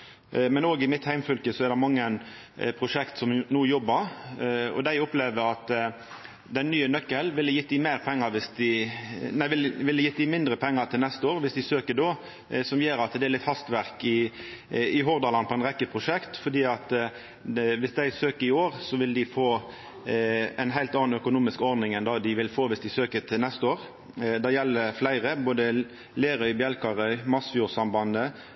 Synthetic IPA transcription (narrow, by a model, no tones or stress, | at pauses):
mɛnoːɡɪmɪt̪hæɪmfœlkəsɔɛɾd̪ɛmɑŋːən | pʰɾʊʂɛkt̪sɔmnuːjɔbːəɾɔ̰d̪æɪɔpleːʋəɾɑt̪ | d̪ɛnnːyːənœkːəlʋɪlːəjɪt̪ːɪmeɪɾpʰɛŋːəɾʋɪsd̪ɪnæɪʋɪlʋɪlːəjɪt̪ːd̪ɪmɪnd̪ɾəpʰɛŋːəɾt̪ʰɪlnɛst̪əoːɾʋɪsd̪ɪsøːkəd̪o | sɔmjeːɾɑt̪d̪ɛæɾlɪt̪hɑst̪ʋæʁkɪ | ɪɦɔːʁd̪ɑːlɑnpʰɔɛɪnʁɛkːəpʰʁʊʂɛkt̪fɔd̪iːɑt̪ | ʋɪsd̪æɪsøːkəɪoːʁsɔʋɪld̪ɪfoː | ɛnɦæɪlt̪ɑːn̩œkʊnuːmɪskɔɾd̪nɪŋɛnd̪ɑd̪ɪʋɪlfoːʋɪsd̪ɪsøːkət̪ʰɪlnɛst̪əoːʁ | d̪ɛjɛlːəflæɪɾəboːd̪ə | leːɾœʏbjɛlkɑɾœʏmɑsfjuːʁsɑmbɑnə